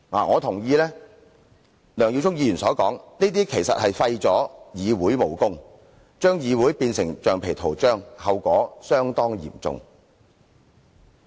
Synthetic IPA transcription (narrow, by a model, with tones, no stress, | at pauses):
ŋa̰ː˨˩ŋɔː˨˧t̪ʰʊ˨˩ŋjiː˧lɛː˥ | lœː˨˩ŋji˧wt͡sʰʊ˥ŋ̚jiː˧jyː˨˩nsɔː˨˥kɔː˨˥ŋniː˥t̪̬iː˥kʰe˨˩jsɐ˨t̚hɐ˨jfɐ˧jt͡sɔː˨˥jiː˨˧wuː˨˥jmo˨˩wkʊ˥ŋ | t͡ʃœː˥ŋjiː˨˧wu˨˥jpiː˧nsɪ˨˩ŋt͡ʃœː˨ŋpʰe˨˩jt̪ʰo˨˩wt͡ʃœː˥ŋhɐ˨wkʷɔː˨˥sœː˥ŋt̪ɔː˥ŋjḭː˨˩mt͡sʊ̰˧ŋ